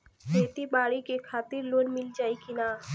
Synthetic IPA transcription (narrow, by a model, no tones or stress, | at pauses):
pet̪ibaɽikekʰat̪iɾlonmild͡ʑajkina